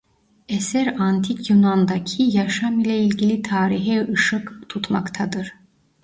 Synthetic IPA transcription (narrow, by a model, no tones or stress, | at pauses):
ɛsɛɾant̪ʰicʰjunand̪acʰijaʃamilʲɛilʲɟilʲit̪ʰaːɾiɦɛɯʃɯkt̪ʰut̪ma̰kt̪ʰad̪ɯɾ̥